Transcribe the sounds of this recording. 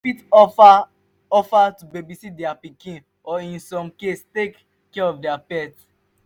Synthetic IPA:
fita | ɔfatubebisidɛapikĩn | ɔĩnsɔ̃mkestekː | ɛɹɔfdɛapɛt

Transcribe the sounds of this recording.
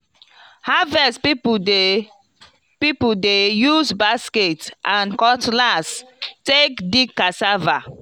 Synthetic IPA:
havɛspip | pipudejuzbasketʔãnkɔtlastekdikːasava

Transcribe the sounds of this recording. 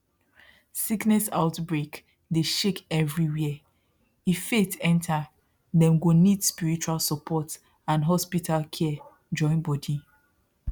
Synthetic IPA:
siknɛsaʊtbɹek | deʃekɛvɹiwɛ | ifːetʰɛ̃ntʰa | ðɛ̃mɡonidspiɹit͡ʃualsɔpʰɔt | ãnɦɔspitʰalkʰɛ | d͡ʒɔ̃ɪ̃nbɔdi

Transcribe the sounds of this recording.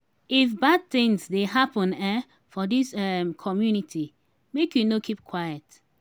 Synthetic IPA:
ifbad̚θɪ̃ŋsdeɦapə̃nɛ | fɔdisɛmkʰɔmjunitʰi | mekjunokʰip̚kʰwajət

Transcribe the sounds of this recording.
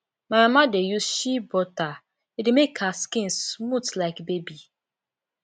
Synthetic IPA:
mamamadejusʃibɔta | idemekʰaskĩnsmutlaɪkbebi

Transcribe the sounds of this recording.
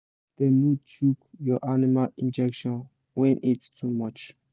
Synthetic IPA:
d̪̥emut͡ʃukjɔʔanimalĩnd͡ʒɛkʃɔ̃n | wɛ̃nʔitstʰumʌt͡ʃ

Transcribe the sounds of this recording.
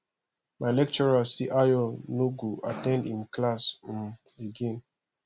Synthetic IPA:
majlɛk̚t͡ʃɔɹasiʔajɔnuɡuʔatɛ̃ndĩmklas̩meɡɛ̃n

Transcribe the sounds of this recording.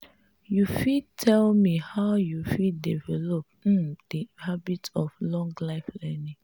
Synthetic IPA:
jufidtʰɛlmihaʊjufiddivɛlɔp̩̚d̥ihabitɔflɔ̃ŋɡlaɪflɛnĩ

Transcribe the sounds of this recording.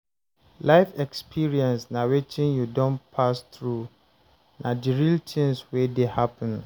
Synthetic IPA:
laɪfɛkspʰiɹiɛ̃nsnãwetʰɪ̃njudɔ̃npʰast̪ɹu | nãdiɹiltʰɪ̃nswɛdehapʰə̃n

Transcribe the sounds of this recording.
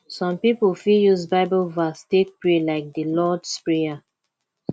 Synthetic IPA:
sɔ̃mpipufijuzbaɪbəlvastek̚pɹelaɪk̚dəlɔdspɹia

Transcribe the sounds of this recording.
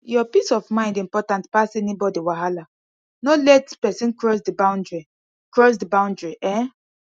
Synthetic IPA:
jɔpisɔfmãɪ̃ndĩmpɔtãntpasɛnibɔdiwaɦala | nɔlɛtpɛsĩnkɹɔsdibãʊ̃ndɹi | kɹɔs̬dibãʊ̃ndɹiʔɛ̃

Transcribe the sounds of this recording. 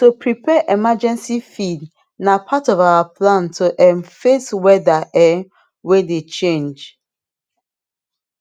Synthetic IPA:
tupʰɹipʰɛʔɛmad͡ʒɛ̃nsifid | napʰatɔvawapʰlãntʰuʔɛ̃mfeswɛdaʔɛ | wedet͡ʃẽnd͡ʒ

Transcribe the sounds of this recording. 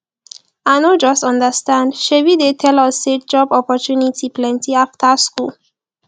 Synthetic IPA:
anod͡ʒɔstɔ̃ndəstãndʃewidetʰɛlɔset̚d͡ʒɔbɔpɔtunitʰiplɛ̃ntiaftʰaskul

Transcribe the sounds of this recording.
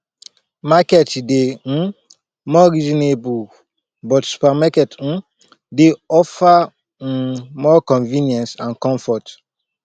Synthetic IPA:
makɛtde | mɔɾizɔnebu | bɔtsu̥pamakɛt̩ | deɔfa | mɔkɔ̃nvĩnjɛ̃nsãnkɔ̃ɱfɔt

